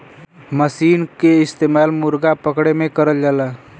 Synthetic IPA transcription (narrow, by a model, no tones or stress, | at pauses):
məsiːnkeɪst̪eːmaːlmʊɾɡapəkɽemẽkəɾəld͡ʒaːlaː